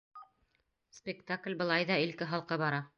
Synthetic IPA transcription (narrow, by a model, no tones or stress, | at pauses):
spʲɪkt̪aklʲbɤ̆lˠɑjðɑilkɘɦɑlˠqɤbɑɾɑ